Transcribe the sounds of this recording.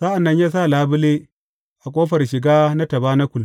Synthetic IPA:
sa˦ʔa˨nːɐ˦ɲjaː˦s̬a˦˨laː˦bʊ˦leː˦ | ʔa˨kʷʼoː˦ɸɐ˨rʃɪ˨ɡaː˦na˦tɐ˨baː˦na˦kʷʊ˨l

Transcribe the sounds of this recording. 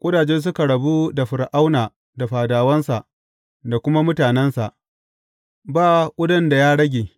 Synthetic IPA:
kʷʼʊ˦daː˨d͡ʒɛ˦ns̬ʊ˦ka˨ɽɐ˨bu˦da˨ɸʊ˨ɾʔa˦wnaː˨ | da˨ɸaː˨daː˨wɐ˦nsa˨ʔ | da˨kʷʊ˦ma˦mʊ˦taː˨nɛ˦nsa˨ʔ | baː˦˨kʷʼʊ˦dɐ˦nda˨jaː˦ɽɐ˦ɡʲeː˨

